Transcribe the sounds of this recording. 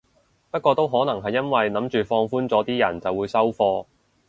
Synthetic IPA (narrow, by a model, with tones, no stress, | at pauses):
pɐ˥t̚kʷɔː˧t̪o˥wɦɔː˨˥nɐ˨˩ŋɦɐ˨jːɐ˥nwɐ˨jnɐ˨˥mt͡ʃyː˨fɔː˧ŋfuː˥nt͡sɔː˨˥t̪iː˥jɐ̰˨˩nt͡sɐ˨wuː˨˧jsɐ˥wfɔː˧